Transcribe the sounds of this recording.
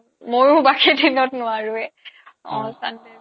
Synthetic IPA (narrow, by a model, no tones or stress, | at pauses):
mojubakʰedʱinɔtnʊwaɹʊɛɔ̰̃sanɛ